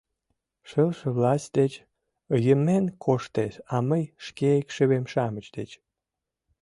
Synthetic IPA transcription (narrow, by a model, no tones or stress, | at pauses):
ʃəlʃəβlɑsʲt̚ʲd̪et͡ɕ | əjəmenkʰoʃt̪eʃɑməjʃkeekʃəβemʃɑmət͡ɕd̪et͡ɕ